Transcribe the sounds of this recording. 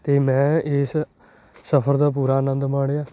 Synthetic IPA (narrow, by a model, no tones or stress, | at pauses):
t̪eːmɛ̃ːɪs | səpʰəɾd̪aːp̬uːɾaːnə̃nd̪maːɽjaː